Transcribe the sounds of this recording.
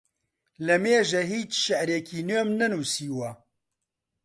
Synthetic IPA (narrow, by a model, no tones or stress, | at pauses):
lɐmeːʒɐɦiːt͡ʃʃɛʔɾekʰiːnøːmnɛnuːsiːwɐ